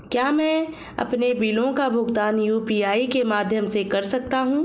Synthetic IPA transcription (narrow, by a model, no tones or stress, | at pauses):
kjaːmɛ̃ː | ɐ̰pnebiːlõkabʱʊɡt̪aːnjuːpiːaːikemaːd̪ʱjəmsekɐɾsɐk̚t̪aɦũː